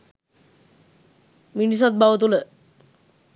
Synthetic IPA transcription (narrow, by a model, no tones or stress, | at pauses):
minisat̪̚baʋot̪ule